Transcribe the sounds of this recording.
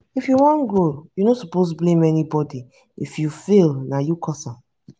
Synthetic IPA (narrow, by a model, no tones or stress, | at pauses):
ifjuwɔ̃nɡojunosɔpos̬blẽmɛnibɔdi | ḭfjufilnajukɔsã